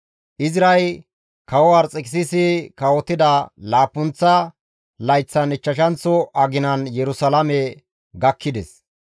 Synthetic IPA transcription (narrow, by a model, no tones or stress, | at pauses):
ʔɪzɪɾɐj | kɐwɔwɐɾt͡sʼɪkʼɪsɪsɪkɐwɔt̪ːɪd̪ɐlaːpːʊnt͡sːɐ | lɐjt͡sːɐnɪt͡ʃːɐʃɐnt͡sːɔʔɐɡɪnɐnjɛɾʊsɐlɐmɛ | ɡɐkʰːɪd̪ɛs